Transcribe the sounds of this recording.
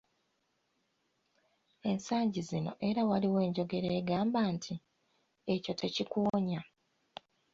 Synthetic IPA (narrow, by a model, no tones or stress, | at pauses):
e̞nsaːɲɟizino̞̰ʔe̞ɾawaliwe̞ːɲɟo̞ɡe̞ɾeːɡaːmbaːntʰi | eco̞tʰe̞cikuːɲa